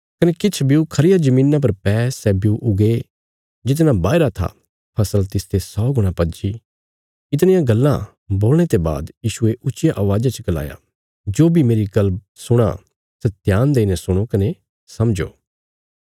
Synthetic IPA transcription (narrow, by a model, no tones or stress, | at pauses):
kɐnekɪt͡ʃʰbiukʰɐɾɪjad͡ʒɐmĩːnːãp̬ɐɾpɛːsɛːbiuʔʊɡe | d͡ʒɪt̪̬nãbaːɪɾat̪ʰa̰ | pʰɐsəlt̪ɪst̪ʰesɔːɡʊɽ̃ãpɐd͡ʒi | ɪt̪ñɪjãɡɐlːã̰ | boːlɽ̃et̪eba̰ːd̪jiːʃueʔʊtːt͡ʃɪjaʔɐʋaːd͡ʒat͡ʃəkɐla̰ːja̰ | d͡ʒoːbʱimeːɾiɡɐlb̚ | sʊɽ̃a̰ | sɛt̪jaːnd̪eːnɛ̃sʊɽ̃okɐne | sɐmd͡ʒo̰ː